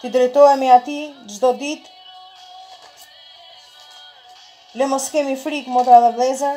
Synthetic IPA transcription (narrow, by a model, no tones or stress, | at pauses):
t̪id̪ɾɛjt̪ɔɛmɛat̪id͡ʒd̪ɔd̪it̪ | lɛmɔskɛmifɾikmɔt̪alˠablˠɛza